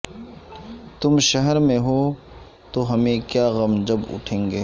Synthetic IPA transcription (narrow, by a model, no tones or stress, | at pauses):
t̪ʊmʃɐɦəɾmẽɦoː | t̪oɦɐmẽkjaːɣɐmd͡ʒɐbʊ̰ʈʰẽːŋɡeː